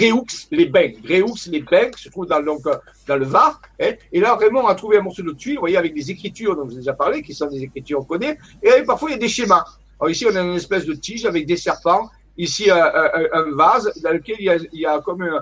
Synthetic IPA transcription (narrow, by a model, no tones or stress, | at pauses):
ɡʁeukslebɛ̃ɡʁeukslebɛ̃kə̥sət̪χuvd̪ɑ̃d̪ɔ̃k | d̪ɑ̃ləvaʁɛelavʁɛmɑ̃ɔ̃nat̪χuveɛ̃mɔʁsod̪ət̪ɥilvwajeavɛk̚d̪ezekχit̪yʁd̪ɔ̃ʒed̪eʒapaʁlekʲisɔ̃d̪ezekχit̪yʁɔ̃kɔne | eaɛpaʁfwailjad̪eʃema | ɔʁisiɔ̃naɛnɛspɛsd̪ət̪iʒavɛk̚d̪esɛʁpɑ̃ | isiøʔʔʔɛ̃vazd̪ɑ̃ləkʲɛliljailjakɔmyn